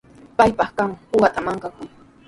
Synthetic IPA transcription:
pajpɑχkaŋpʊɢat̪amaŋkakʊj

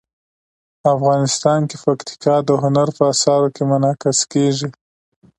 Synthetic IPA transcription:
afɣɑnɪst̪ɑnkepakt̪ɪ̥kɑd̪əɦʊnaɾpəasɑɾokemʊnɑkɪskeʒi

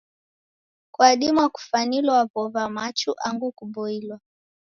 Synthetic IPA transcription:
kwaɗimuaku̥fanilɔavɔvamat͡ʃuʔaŋɡukuɓɔilwa

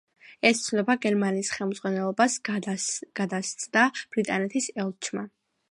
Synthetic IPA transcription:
ɛst̪sʰnɔbaɡɛɾmaniːsχɛlˠmd̪zʁwanɛlˠɔbas | ɡ̥ad̪ast̪sʼd̪ab̥ɾit̪ʼanɛt̪ʰisɛlˠt͡ʃʰma

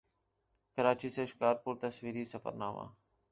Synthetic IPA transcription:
kəɾaːt͡ʃiːseːʃkaːɾpuːɾt̪əsʋiːɾiːsəfə̰ɾnaːma̰ː

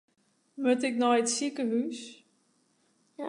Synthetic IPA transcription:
møtɪknɔjətsikəɦys

